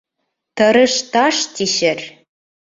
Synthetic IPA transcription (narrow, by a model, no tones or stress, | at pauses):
t̪ɤ̆ɾɤ̆ʃt̪ɑʃt̪iʃɘ̆r